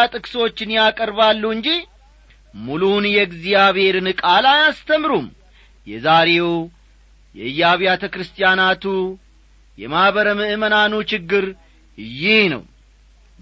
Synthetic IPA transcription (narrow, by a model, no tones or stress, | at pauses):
at̪ʼɨkʼso̞t͡ʃːɪnjakʼəɾbalːuɨɲd͡ʒi | mulunjɛɡzijaβhe̞ɾɨnɨkʼalajast̪ʰəmɾum | jɛzaɾe̞w | jɛɨjːaβijat̪ʰəkɾɨst̪ʼijanat̪ʰu | jɛmahβəɾəmɨʔɨmənanut͡ʃɪɡːɨɾ | jɪhnə̰w